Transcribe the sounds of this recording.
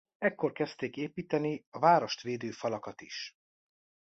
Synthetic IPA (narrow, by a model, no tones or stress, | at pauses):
ɛkːo̞rkɛst̪eːkeːpiːt̪ɛniɒvaːɾo̞ʃt̪ʋeːd̪øːfɒlɒkɒt̪iʃ